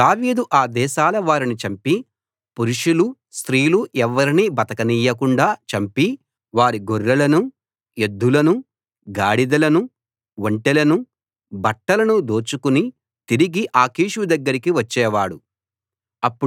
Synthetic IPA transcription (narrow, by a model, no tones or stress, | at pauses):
d̪aːʋiːd̪uʔaːd̪ɛːʃaːlɐʋaːɾinit͡ʃɐmpi | puɾuʂulu | st̪ɾiːluʔɛʋːɐɾiniːbɐt̪ɐkɐniːjɐkuɳɖaːt͡ʃɐmpi | ʋaːɾiɡoɾːɐlɐnu | ed̪ːulɐnu | ɡaːɽid̪ɐlɐnu | ʋoɳʈɛlɐnu | bɐʈːɐlɐnud̪oːt͡ʃukuni | t̪iɾiɡiʔaːkiːʃud̪ɐɡːɐɾikiʋɐt͡ʃːɛːʋaːɽu | ɐpːu